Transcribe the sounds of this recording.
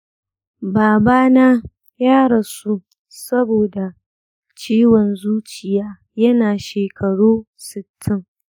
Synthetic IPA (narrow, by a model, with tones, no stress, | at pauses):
baː˨baː˦na˦ | jaː˦ɽa˨su˦ | sɐ˦boː˨da˨ | t͡ʃiː˦wɔ˨nzuː˦t͡ʃɪ˨jaː˦ | jɐ˦naː˨ʃeː˨kʰɐ˨ɽuː˦ | sɪ˨tʰːɪ˦ŋ